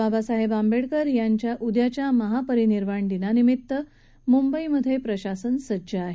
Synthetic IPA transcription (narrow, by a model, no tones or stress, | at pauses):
babasaɦebambeɽkəɾjaɲt͡ɕjaʔud̪jat͡ɕjaməɦapəɾiniɾʋaɳd̪inanimit̪ːə | mumbəiməd̪ʱjepɾəɕasənsəd͡ʑəaɦe